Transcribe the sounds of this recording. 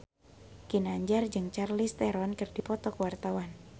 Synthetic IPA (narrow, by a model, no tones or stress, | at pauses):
kinaɲd͡ʒard͡ʒɨŋt͡ʃarlist̪ɛɾɔnkɨrdipɔt̪ɔkəwart̪awan